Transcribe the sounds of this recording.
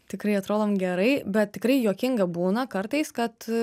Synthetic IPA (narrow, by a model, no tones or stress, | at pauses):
t̪ʲɪkɾɐɪɐt̪ɾoːd̪oːmɡʲɛɾɐɪbʲɛt̪̚t̪ʲɪkɾɐɪjoːkʲɪŋɡɐbuːnɐkɐɾt̪ɐɪskɐt̪